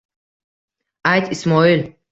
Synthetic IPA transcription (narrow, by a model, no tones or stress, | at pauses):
ʔajt̪ʰismɔil